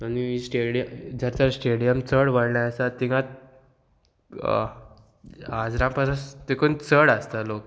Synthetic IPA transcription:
aniisʈeɽijəd͡zaɾt͡ɕaɾsʈeɽijəmt͡səɽʋəɽɳjaəsat̪ːiŋat̪̚ | ad͡zɾãmpasast̪ekont͡səɽast̪alok

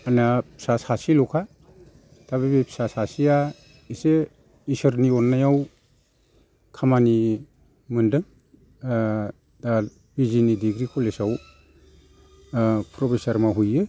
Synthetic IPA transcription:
anasasasilɔkʰa | taβebepsasasija | ise | isɯɾniɔnːajaw | kʰamani | mɯndɯŋ | da | bizinidiɡɾikʰolesaw | pʰɾɔpʰesaɾmaɦujɯ

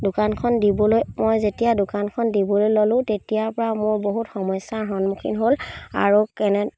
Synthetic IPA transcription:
dʊkankʰɔndibɔlojmojzetijadʊkankʰɔndibɔlojlolʊ̃tetijapɔɹamoɹboɦutxɔmɔjsaɹɦɔnmukʰḭnɦola̰ɹukɛnɛ

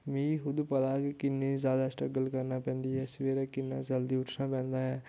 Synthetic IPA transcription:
mĩːɦʊd̪upəlaːkkɪnːeːzjaːd̪aːsʈəɡəlkəɾnaːpɛ̃ːnd̪iːɦɛːsʋeːɾaːkɪnːa̰ːd͡ʒəld̪iːʊʈʰnaːpɛ̃ːnd̪aːɦɛː

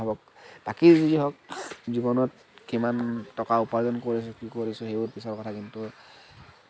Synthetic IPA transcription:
abɔk̚ | b̥akiɹzudiɦɔk̚zibɔnɔt | kimantɔkaupaɹzɔnkoɹis̬ʊkikoɹisʊxeuɹpisɔɹkɔtʰakintu

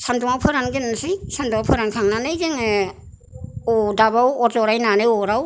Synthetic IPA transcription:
sanduŋawpʰɯɾanɡenasɯjsanduŋawpʰɯɾankʰaŋnanɯjzeŋe | odaβawɔɾzɔɾajnanɯjɔɾaw

